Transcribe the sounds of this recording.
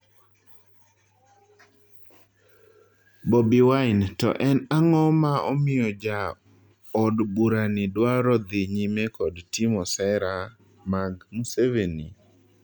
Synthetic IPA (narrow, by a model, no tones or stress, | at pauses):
bɔbiwaɪntɔ̰ʔɛnaŋɔmaɔmɪjɔd͡ʒa | ɔdbuɾanɪdwaɾɔd̪ɪɲimekɔdtimɔsɛɾa | maɡmuseveni